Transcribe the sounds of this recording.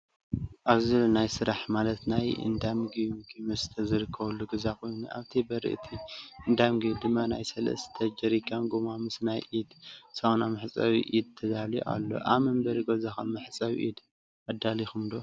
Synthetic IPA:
ʔaβzɨlnajsɨɾaħmalɐt̪najɨ̰nd̪amɡijɡimɐst̪ʰɐzɨɾɨkʰːɐβɐlːuɡɨzako̞jnṵʔa̰βt̪ʰibɐɾɨ̰ʔt̪ʰiʔɨnd̪amɡid̪ɨmːanajsɐlɐ̰st̪ʰɐd͡ʒɐɾikʰːamɡumamɨsnajʔid̪sanamɨħt͡sʼawḭʔid̪̚t̪ʰɐd̪aljʔa̰lːo̰ʔa̰βmɐmbɐɾiɡɐzaxɐmɨħt͡sʼawḭʔid̪ | ʔad̪alixumd̪o

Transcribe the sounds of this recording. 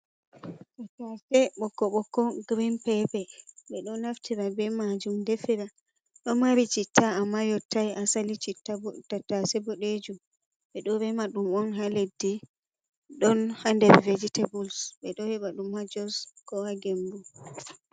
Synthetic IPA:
tatasɛɓɔkːɔɓɔkːɔɡɾinpɛpɛɓɛɗɔnːaftʰiɾabɛmad͡ʒumdefiɾa | ɗɔnmaɾit͡ʃitʰːaːmːajɔtːajʔasalit͡ʃitːabɔtatasɛbɔɗed͡ʒum | ɓɛɗɔɾɛmaɗumɔnɦaledːi | ɗɔnhandɛɾved͡ʒitɛbulsɓɛɗɔhɛɓaɗumhad͡ʒɔskɔwaɡɛmbu

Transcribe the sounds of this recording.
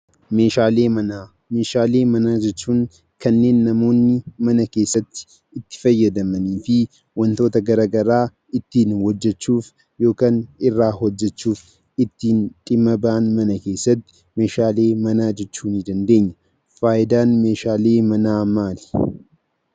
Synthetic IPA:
me̞ːʃaːle̞ːmɐnaː | me̞ːʃaːle̞ːmɐnaːd͡ʒɛt͡ʃːuːŋ | kɐnːe̞ːnːɐmo̞ːnːɪmɐnɐke̞ːsːɐt̪ːɪ̥ | ɪt̪ːɪ̥fɐjːɐd̪ɐmɐniːfɪ | wɐnt̪o̞ːt̪ɐɡɐɾaːɡɐɾaː | ɪt̪ːiːnhɔd͡ʒːɛt͡ʃːuːf | jo̞ːkaːnɪrːaːhɔd͡ʒːɛt͡ʃːuːf | ɪt̪ːiːnt̪ʼɪmːɐbaʔnmɐnɐke̞ːsːɐt̪ːɪ̥ | me̞ːʃaːle̞ːmɐnaːd͡ʒɛt͡ʃːuːnɪd̪ɐnd̪e̞ːɲːɐ | faːʔɪd̪aːnme̞ːʃaːle̞ːmɐnaːmːaːlɪ̥

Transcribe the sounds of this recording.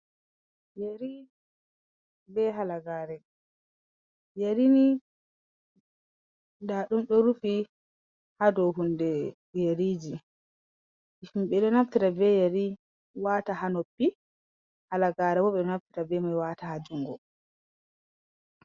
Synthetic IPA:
jeɾi | bɛɦalaɡaːɾɛ | jeɾini | daɗumɗɔɾufi | hadɔɦundɛ | jeɾiːd͡ʒi | ʔifumɓɛɗɔnaftiɾabɛjaɾi | waːtahanopːi | halaɡaːɾɛbɔɓɛɗɔnaftiɾabɛmajwaːtahad͡ʒuŋɡɔ

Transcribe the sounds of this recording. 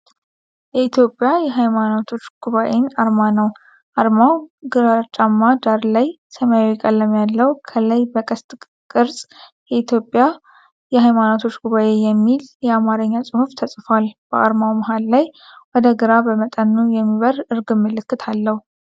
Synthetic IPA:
jɛit̪ʰjo̞pʼːjajɛɦajmanot̪ʰo̞t͡ʃːɡ̥uβaʔe̞naɾmanəw | ʔaɾmawɡɨɾat͡ʃʼamːad̪aɾlaj | səməjawɛkʼəlːəmjalːəwkʰələjbəkʼəst̪ʼ | kʼɨɾsʼjɛit̪ʰjo̞pʼːja | jɛɦajmanot̪ʰo̞t͡ʃːɡuβaʔe̞jɛmːiljɛamaɾəɲːasʼɨhuft̪ʰəsʼfalb̥əʔa̰ɾmawməɦalːajwɔd̪əɡɨɾabəmət̪ʼənːujɛmːiβəɾɨɾɡɨmːɨlɨkːɨt̪ʰalːəhu

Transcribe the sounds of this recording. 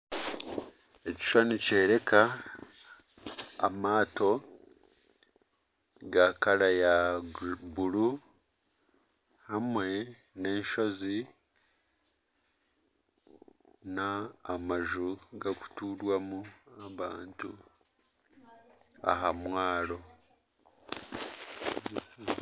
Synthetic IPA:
e̞ci̥ʃwanice̞ːɾe̞kʰa | maːto̞ | ɡakaɾaja | buɾu | hamwe̞ | ne̞ːnʃo̞zi | naːmaʒuɡaku̥tuːlwamuaβaːntu | a̰ɦamwaːlo̞

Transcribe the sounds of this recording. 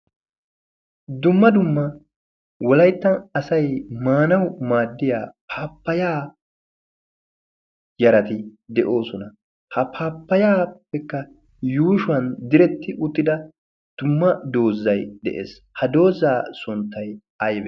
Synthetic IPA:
d̪ʊmːɐd̪ʊmːɐ | wɔlɐjt̪ːɐnɐsɐjmaːnɐwmaːd̪ːɪja̰ːpʰaːpːɐjaː | jɐɾɐt̪ɪd̪ɛʔo̞ːsɔnɐ | hɐpʰaːpːɐjaːpːɛkːɐ | juːʃʊɐnd̪ɪɾɛt̪ːɪʔʊt̪ːɪd̪ɐ | d̪̥ʊmːɐd̪o̞ːzːɐjd̪ɛ̰ʔḛːs | hɐd̪o̞ːzːaːsʊnt̪ːɐj | ɐjbɛ

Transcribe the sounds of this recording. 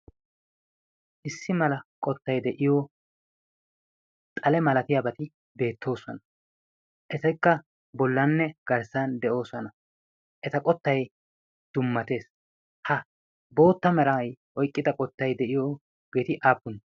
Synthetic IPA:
ʔɪsːɪmɐlɐkʼɔt̪ːɐjd̪ɛʔɪjoː | t̪ʼɐlɛmɐlɐt̪ɪjabɐt̪ɪ | be̞ːt̪ːo̞ːsɔnɐ | ʔɛt̪ɐjkːɐ | bɔlːɐnːɛɡ̥ɐɾsand̪ɛʔo̞ːsɔnɐ | ʔɛt̪ɐkʼɔt̪ːɐj | d̪̥ʊmːɐt̪e̞ːs | hɐ | bo̞ːt̪ːɐmɛɾɐjʔɔjkʼːɪd̪ɐkʼɔt̪ːɐjd̪ɛʔɪjoː | b̥e̞ːt̪ɪʔaːpːʊn

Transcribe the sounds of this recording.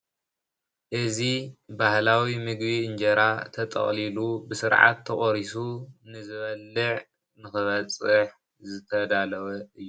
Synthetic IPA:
ʔɨzibahlawimɨɡbiɨnd͡ʒɐɾat̪ʰɐt̪ʼɐ̰χʼlilubɨsɨɾʕa̰t̪ʰːɐχʼoɾisunɨzɨβɐlːɨʕ | nɨxɨβɐt͡sʼɨħ | zɨt̪ʰɐd̪alɐwɐʔɨjːu

